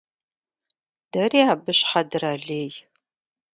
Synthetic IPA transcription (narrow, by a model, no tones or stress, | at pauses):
d̥ɐriːaːbɨɕħadɨraːɮeːj